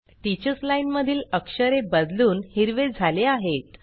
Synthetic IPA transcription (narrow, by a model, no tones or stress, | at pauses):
ʈ̪it͡ɕəslainməd̪ʱiːləkʂəɾebəd̪luːnhiɾʋed͡zʱaleaɦet̪